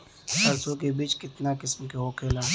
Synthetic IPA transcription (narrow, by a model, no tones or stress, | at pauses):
hɐɾsokebiːt͡ʃkɪt̪nakɪsmkeɦoːkʰeːlaː